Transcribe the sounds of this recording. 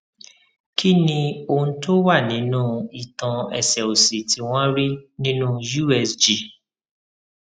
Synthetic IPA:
kʰi˦nĩ˧o˧ũ˧to˦wa˦˨nĩ˨˦nũː˦i˨tã˧ɛ̰˨sɛ˨o˨si˨ti˨˦w̃ɔ̃˦ɾi˦nĩ˦nũ˦ju˦ɛ˨sd͡ʒi˨

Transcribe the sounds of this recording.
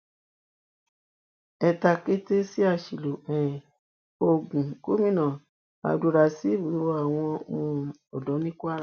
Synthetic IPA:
ɛ˧ta˧ke˦te˦si˦a˦˨ʃi˨lo˨ɛ̃˨ | o˧ɡũ˨ko˦mĩ˦˨nã˨ | a̰˨˧˦du˧ɾa˧si˦wi˨˦wɔ˦a˨w̃ɔ̃˧˦˧ũ˧ | ɔ˨dɔ˨˦nĩ˦ku˦a˦ɾ

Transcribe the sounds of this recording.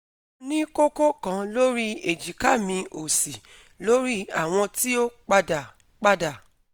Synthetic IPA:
nĩ˦ko˦ko˦kã˨˧lo˦ɾi˦e˨d͡ʒi˨ka˦˨mĩ˧o˨si˨ | lo˦ɾi˦a˦˨w̃ɔ̃˧ti˦o˦k͡pa˧da˨ | k͡pa˦da˨

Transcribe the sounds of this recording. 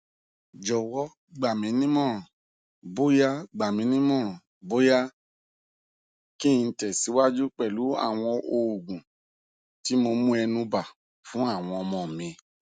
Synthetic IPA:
d͡ʒɔ˨wɔ˦ | ɡ͡ba˨mĩ˨˦nĩ˦mɔ̃˦˨ | bo˦ja˦ɡ͡ba˨mĩ˨˦nĩ˦mɔ̃˦˨ | bo˦ja˦ | kĩ˦˧n̩˧˦tɛ˨si˨˦wa˦d͡ʒu˦k͡pɛ˨lu˨˦a̰˦˨w̃ɔ̃˧o˨ɡũ˨ | ti˨˦mo˧mũ˦ɛ˧nũ˧ba˨ | fũ˨˦a˦˨w̃ɔ̃˧mɔ̃˨mĩ˧

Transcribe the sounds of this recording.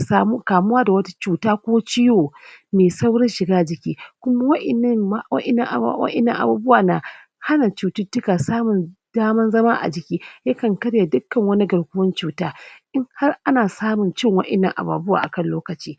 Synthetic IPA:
saː˦mu˦kaː˨mʊ˦waː˦da˨wɐ˦tḁ˦t͡ʃuː˨taː˦kʷoː˦t͡ʃɪ˦joː˨meː˨sa˦wɽɐ˦nʃɪ˨ɡaː˦d͡ʒɪ˨kʲiː˦kʷʊ˦ma˦wɐ˦ʔɪ˨nːɐ˦a˦˨wɐ̰˦ʔɪ˨nːɐ˨ŋʔa˨wɐ̰˦ʔɪ˨nːɐ̰˦˨ŋʔa̰˨buː˦bʊ˦waː˨na˨ | ha˦na˨t͡ʃuː˨tʊ˦dʊ˦kaː˨saː˦mʊ˨nd̥aː˦mɐ˦nzɐ˦ma˦ʔa̰˨d͡ʒɪ˨kʲiː˦ja˦kɐ˨ŋkɐ˦ɽja˨dʊ˦kːɐ˨ŋwɐ˦ni˦ɡɐ˨ɽkʷʊ˦wɐ˦nt͡ʃuː˨˦taː˦ʔɪ˦ŋha˦rʔa˦naː˨saː˦mʊ˨nt͡ʃɪ˦ŋwɐ˦ʔɪ˨nːɐ˨ŋʔa̰˨ba̰ː˨bʊ˦wa̰ː˨ʔa̰˨kɐ˦nloː˦kɐ˨t͡ʃiː˦

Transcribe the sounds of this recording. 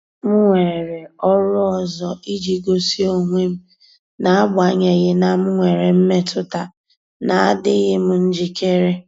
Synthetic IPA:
m̩˦ŋʷe˨ɾe˨ɔ˦ɾʊ˦ɔ˨zɔ˨ʔi˦d͡ʒi˨ɡo˨si˦o˨ŋʷe˦m̩˦ | na˨a˦bʊ˨a˨˦ɲe˨ɣɪ˦na˨m̩˦ŋʷe˨ɾe˨m̩˦me˦tʰʊ˦ta˨ | na˨a̰˦dɪ˦ɣɪ˦m̩˦n̩˦d͡ʒi˦kʰe˦ɾe˦

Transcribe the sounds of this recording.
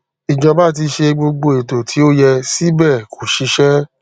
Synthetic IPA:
i˨d͡ʒɔ̃˧ba˦˨t̬i˧ʃe˧ɡ͡bo˧ɡ͡bo˧˨e˨to˨tʰi˨˦o˦jɛ˧si˦bɛ˦˨kʰo˨ʃi˧˦ʃɛ˦

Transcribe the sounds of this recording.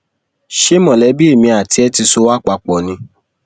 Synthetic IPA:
ʃe˦mɔ̃˨lɛ˨˦bi˦e˦˨mĩ˧a˨ti˨˧ɛ˧˦ti˧so˧˦wa˦k͡pa˧k͡pɔ˨nĩ˧

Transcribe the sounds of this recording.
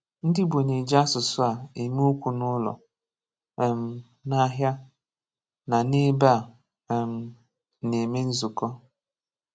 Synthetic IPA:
n̩˦dɪ˦bo˨ne˨d͡ʒa˦sʊ˨sʊ˦a˨e˨m˦u˦kʷu˨nʊ˦lɔ̰˨ | m̩˨˦ | na˦ɦja˦ | na˨nɪ˦ba˦˨ | m̩˨ | ne˨me˦n̩˦zʊ˨kɔ˦

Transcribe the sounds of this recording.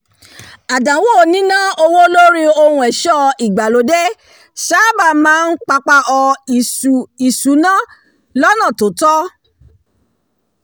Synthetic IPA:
a˨dã˨˦wo˦˨nĩ˦nã˦o˧wo˦lo˦ɾi˦o˧hũ˧ɛ˨ʃɔ˦i˨ɡ͡ba˨lo˨˦dɛ˦ | ʃa˦ba˧˨mãː˦n̩˦k͡pa˧k͡pa˧ʔɔ˧˨ | i˨su˨˦nã˦ | lɔ˦nã˦˨to˨˦tɔ˦

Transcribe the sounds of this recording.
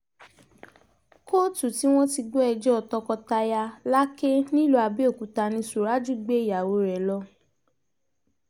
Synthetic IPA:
ko˦tu˨ti˨˦w̃ɔ̃˦ti˧ɡ͡bo˦ɛ˧d͡ʒɔ˦ɔ˧tɔ˧kɔ˧ta˧ja˧la˦ke˦nĩ˦˨lo˦a˧be˦o˦˨ku˨˦ta˧nĩ˧su˨ɾa˦d͡ʒu˦˨ɡ͡be˦i˦˨ja˨wo˧˦ɾɛ˨lɔ˧

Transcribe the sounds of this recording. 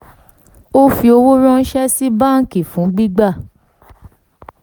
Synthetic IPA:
o˦fi˧o˧wo˦ɾ̃ɔ̃˦n̩˦ʃɛ˦si˦ba˦˨n̩˦ki˦˨fũ˨˦ɡ͡bi˦ɡ͡ba˦˨

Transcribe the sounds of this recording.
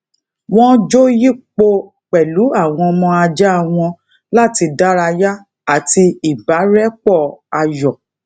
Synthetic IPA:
w̃ɔ̃˦d͡ʒo˦ji˦k͡po˧˦ | k͡pɛ˨lu˨˦a˦˨w̃ɔ̃˧mɔ̃˧a˧d͡ʒa˦a˧w̃ɔ̃˧ | la˦˨ti˧da˦ɾa˧ja˦ | a˦˨ti˧i˨ba˨˦ɾɛ˦k͡pɔ˦˨a˧jɔ˨

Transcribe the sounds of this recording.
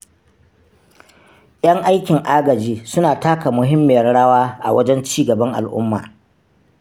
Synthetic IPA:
j̰ʲɐ˦ŋʔa˦jkʲɪ˨ŋʔa˦ɡɐ˨d͡ʒiː˦sʊ˦naː˨taː˦ka˨mʊ˨ɦɪ˦mːɪ˨jɐ˦rɽɐ˦waː˦ʔa̰˨wɐ˦d͡ʒɛ˦nt͡ʃiː˦ɡɐ˨bɐ˦ŋʔa̰˨lʔʊ̰˦mːa̰ː˨

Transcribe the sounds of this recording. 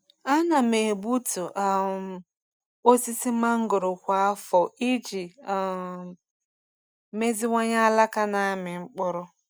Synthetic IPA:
a˦na˨me˨bu˦tu˨ʔa˨ | o˦si˦si˦ma˦ŋ̩˦ɡʊ˨ɾʊ˨kʷa˦a˦fɔ˨i˦d͡ʒi˨ | me˦zi˦ŋʷa˦ɲa˦a˦la˦ka˦na˨˦mɪ˨ŋ͡m̩˦k͡pʊ˦ɾʊ˦

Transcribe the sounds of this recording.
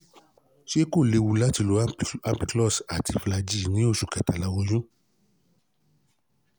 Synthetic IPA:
ʃe˦ko˦˨le˧wu˧la˦ti˧lo˧˦a˦mpi˧klɔ˦˨sa˨ti˧˨fla˧d͡ʒi˦˨nĩ˨˦o˦˨ʃu˨kɛ˨ta˨la˧˦wɔ˧jũ˦

